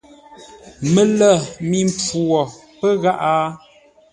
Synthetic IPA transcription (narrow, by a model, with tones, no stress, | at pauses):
mə˨lə˦˨mi˨m˦p͡fu˨ɔ˨ | pə˦ɣa˦ʔa˦